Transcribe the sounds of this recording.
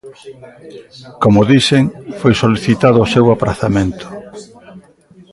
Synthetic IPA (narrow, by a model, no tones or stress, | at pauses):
komʊðiseŋfojsoliθit̪aðʊːsewapɾaθamẽnt̪ʊ̥